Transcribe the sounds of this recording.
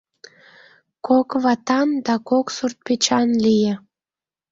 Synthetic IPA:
kʰokβɑt̪ɑnd̪ɑkoksurt̪̚pet͡ɕɑnlijĕ

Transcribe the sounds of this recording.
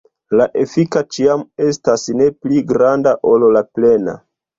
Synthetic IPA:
laʔe̞fikat͡ʃiame̞stasne̞pliɡɾandaʔo̞llaple̞na̰

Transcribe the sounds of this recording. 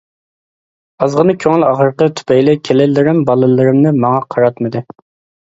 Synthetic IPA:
ɑzʁənɨkʲʰøŋɪlɑʁəɾqət̪ʰy̥pʰɛjlɪkʲʰelɪlːɪɾɪmbɑlˠɨlˠɨɾɨmnɨmɑŋɑqʰɑɾɑt̪mɨd̪ɨ

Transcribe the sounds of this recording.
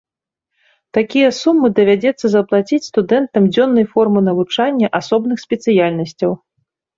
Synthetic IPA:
t̪akʲijɐsumːɨd̪ɐvʲad͡zʲɛt̪sːɐzɐplˠat͡sʲit͡sʲst̪ud̪ɛnt̪ɐmd͡zʲɔnːɐjfɔrmɨnɐvut͡ʂanʲːɐʔasɔbnɨxsʲpʲɛt̪sɨjalʲnɐsʲt͡sʲɐw

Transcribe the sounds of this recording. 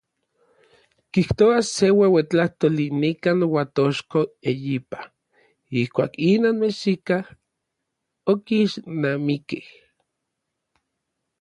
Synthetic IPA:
kiht̪oasewewet͡ɬaht̪olinikaːnwat̪oʃkoejipḁ | ihkʷaːkinoːnmesikah | okiʃnamikih

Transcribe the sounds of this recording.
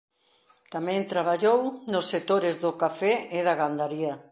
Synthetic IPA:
t̪amɛ̃nt̪ɾaβ̞aʎownosːek̚t̪oɾɪzðʊkafɛɪðaɣand̪aɾiɐ

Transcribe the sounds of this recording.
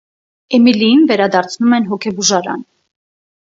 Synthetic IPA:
ɛmilijinvɛɾɑd̪ɑɾt͡sʰnumɛnɦɔkʰɛbuʒɑɾɑ̰n

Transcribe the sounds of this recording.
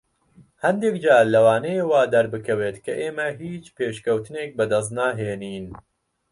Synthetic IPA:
hɐnd̪ekd͡ʒaːlɐwaːnɛjewaːd̪ɐɾbɨkʰɐweːt̪kʰɐʔeːmɐɦiːt͡ʃpeːʃkɐwt̪ɨneːk̚bɐd̪ɐs̬naːɦeːniːn

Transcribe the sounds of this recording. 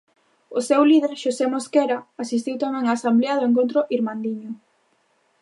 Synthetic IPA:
ʊsewlið̞eɾʃosemoskeɾaasis̬t̪iwt̪amɛ̃ŋaːsambleaðʊeŋk̬õnt̪ɾʊʔiɾmãnd̪iɲʊ

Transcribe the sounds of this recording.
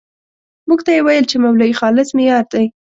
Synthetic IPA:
muɡt̪ajewajəlt͡ʃemawlaixɑlɪsmɪjɑɾd̪aj

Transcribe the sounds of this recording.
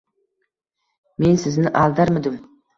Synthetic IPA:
me̞nsɪznɪʔɑlˠd̪ɑɾmɪd̪ɪm

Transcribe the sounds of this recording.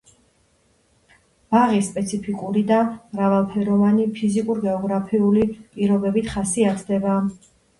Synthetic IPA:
b̥aʁispʼɛt̪sʰipʰikʼuɾid̪amɾavalˠpʰɛɾɔvanipʰizikʼuɾɡɛɔɡɾapʰiulipʼiɾɔbɛbit̪ʰχasiat̪ʰd̪ɛba

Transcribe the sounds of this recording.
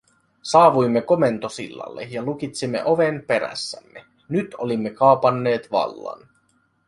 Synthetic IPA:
sɑːʋujmːeko̞me̞nt̪o̞sḭlːɑ̰lːḛjɑluk̟it̪simːe̞̰ʔo̞ʋempe̞ɾæ̰sːæmːe | nyt̪ʰo̞limːe̞kɑːpɑnːe̞ːt̪ʋɑ̰lːɑ̰n

